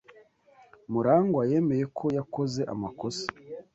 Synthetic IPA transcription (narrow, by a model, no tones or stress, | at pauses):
muɾaːŋɡwaje̞me̞je̞kʰo̞jako̞ze̞ʔa̰mako̞se̥